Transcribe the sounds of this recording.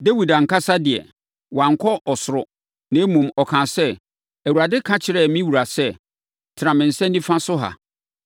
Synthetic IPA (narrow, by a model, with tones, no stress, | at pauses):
de˦wi˨da˨ŋ̩˨ka˦sa˦dɪ˨ɛ̰˨ | wã˨ŋ̩˨kʰɔ˦ʔɔ˨sʊ˨ɾʊ˨ | nã˨˦mũ˨mɔ˨kʰãː˨sɛ˦ | æ˨wu˨ɾa˨dɪ˦kʰã˦t͡ɕʰɪ˨ɾɛ˦mĩ˦wu˨ɾa˨sɛ˦ | tʰɪ˨ɾã˨mɪ̃˨n̩˨sɛ̃˦nː˦ĩ˦fã˦sʊ˦ɦa̰˨